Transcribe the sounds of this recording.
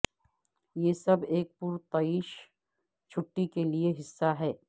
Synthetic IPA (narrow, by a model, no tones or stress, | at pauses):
jeːsɐbeːk̚puɾt̪ɐiːʃ | t͡ʃʰʊʈːikelieɦɪsːaɦɛː